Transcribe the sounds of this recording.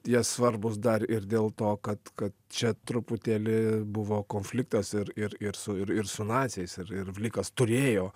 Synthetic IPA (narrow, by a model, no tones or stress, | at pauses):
jɛssʋɐrbʊsd̪ɐɾɪɾd̪ʲeːlˠt̪oːkɐt̪kɐt̪t͡ʃʲɛt̪ɾʊpʊt̪ʲɛlʲɪbʊʋoːkoːnʲfʲlʲɪkt̪ɐsɪɾɪɾɪɾsʊɪɾɪrsʊnɑːt̪sʲɛɪsɪɾɪrʋʲlʲiːkɐst̪ʊɾʲeːjoː